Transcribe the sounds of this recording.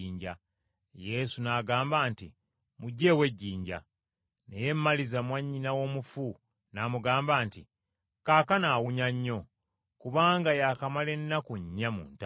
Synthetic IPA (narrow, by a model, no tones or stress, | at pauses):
iːɲɟa | je̞sunaɡaːmbaːntḭ | muɟːe̞we̞ɟːiːɲɟa̰ | neje̞mːalizamwaɲːinawo̞ːmufu | namuɡaːmbaːnti | kaːkanawuɲaɲːo̞ | kuβaːŋɡajaːkamale̞nːakuɲːamṵːnta